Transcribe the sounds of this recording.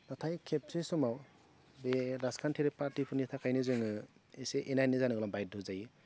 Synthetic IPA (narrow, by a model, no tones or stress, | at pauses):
natʰajkʰep̚sesɔmaw | beɾaskʰantʰiɾepaɾtipʰunitʰakʰajnɯzɯŋɯeseʔenajnɯzanɯɡɯlɔbajt̚dʱɯzajɯ